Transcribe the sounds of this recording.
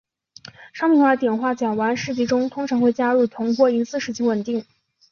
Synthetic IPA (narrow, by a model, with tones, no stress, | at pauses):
ʂɑ˥ŋmi˥˩wt̪jɛ˨˩nxwa˥˩t͡ɕjɑ˨˩ŋwa˧˥nʂɻ̩˥˩t͡ɕi˧˥ʈ͡ʂʊ˥ŋt̪ʰʊ˥ŋʈ͡ʂʰɑ˧˥ŋxwe˥˩ɪt͡ɕja˥ɻu˥˩t̪ʰʊ˧˥ŋpwɔ˥i˧˥nsɹ̩˥˧ʂɻ̩˥˩t͡ɕʰi˧˥wə˨˩nt̪i˥˩ŋ